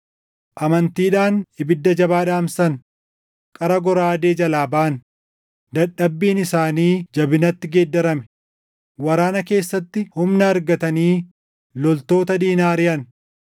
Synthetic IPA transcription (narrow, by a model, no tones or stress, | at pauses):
ʔɐmɐnt̪iːᶑaːnɪbɪd̪ːɐd͡ʒɐbaːᶑaːmsɐn | kʼɐɾɐɡɔɾaaːd̪e̞ːd͡ʒɐlaːbaːn | d̪ɐᶑɐbːiːnɪsaːniːd͡ʒɐbɪnɐt̪ːɪɡeːd̪ːɐɾɐmɛ̥ | wɐɾaːnɐke̞ːsːɐt̪ːɪhʊmnɐːɾɡɐt̪ɐniː | lɔlt̪o̞ːt̪ɐd̪iːnaːɾɪɐn